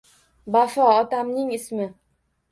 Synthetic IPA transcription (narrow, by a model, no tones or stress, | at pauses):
bafɒːt̪amnɪŋɪsmɪ